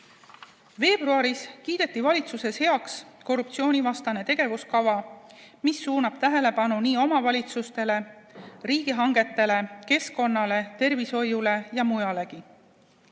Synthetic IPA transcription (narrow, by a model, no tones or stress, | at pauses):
ve̞ːb̥ruɑɾiskiːd̪̥e̞t̪ːˑivɑlʲit̪suse̞she̞ɑksko̞rːupt̪sio̞ːnʲivɑst̪ɑne̞t̪e̞ɡ̥e̞vuskɑvɑmisːuːnɑb̥t̪æɦe̞le̞pɑnuniːo̞mɑvɑlʲit̪sust̪e̞le̞riːɡiɦɑŋɡe̞t̪ːe̞le̞ke̞sko̞nːɑle̞t̪e̞rviso̞jule̞jɑmujɑle̞ki